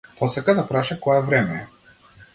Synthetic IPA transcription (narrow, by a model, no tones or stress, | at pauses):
pɔsɛkad̪apɾaʃakɔjɛvɾɛmɛɛ